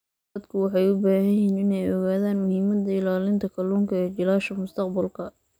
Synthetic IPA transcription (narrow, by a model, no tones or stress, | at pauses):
ɐd̪kʰʊwɑħɑjʊbaːhɐjɛnɪnɛjɔɣaːðaːnmʊhiːmɐd̪ɐɪlaːlɪnt̪ʰɐkʰɐluːŋkʰɐɛːd͡ʒɪlaːʃɐmʊst̪ʰɐqbɐlkʰɐ